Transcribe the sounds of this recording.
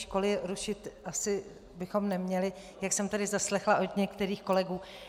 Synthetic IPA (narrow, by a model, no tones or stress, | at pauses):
ʃko̞lɪɾuʃɪt̪ʔasɪ | bɪxo̞mnɛmɲɛlɪ | jaksɛmt̪adɪzaslɛxlaʔo̞d̪ɲɛkt̪ɛɾiːxko̞lɛɡuː